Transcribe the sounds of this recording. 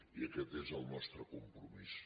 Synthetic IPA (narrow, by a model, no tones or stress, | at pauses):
iəkɛt̪ezəlˠnɔst̪ɾəkumpɾumis